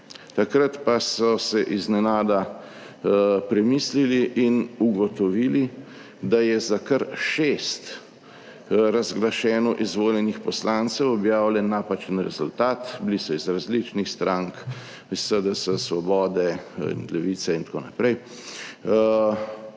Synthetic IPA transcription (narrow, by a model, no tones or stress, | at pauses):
t̪akɾət̪pasɔsɛʔiznɛnaːd̪a | pɾɛmiːsliliʔinuɡɔt̪ɔʋiːli | d̪ajɛzakəɾʃest̪ | ɾazɡlaʃɛːnɔʔizʋoːljɛnixpɔslant̪sɛwɔbjaːwlʲɛnːapat͡ʃənɾɛzult̪aːt̪blisɔizɾazlit͡ʃnixst̪ɾaŋk | isəd̪ɛsəsʋɔbɔːd̪ɛḭnlɛʋit̪sɛint̪ko̰ːna̰pɾɛj